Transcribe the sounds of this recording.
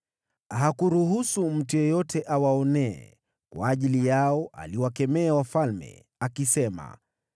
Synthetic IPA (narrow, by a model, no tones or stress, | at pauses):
ɦakuɾuɦusum̩tujɔjɔtɛʔawaɔnɛɛ̰ | kwa̰ːʄilijaɔʔa̰liwakɛmɛawafalmɛ̰ | akisɛma̰